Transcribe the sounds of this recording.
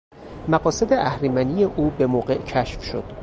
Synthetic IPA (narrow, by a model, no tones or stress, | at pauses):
mæɢɒːsed̪eʔæhɾimænijeʔuːbe̞moːɢe̞ʔcʰæʃfʃod̪̥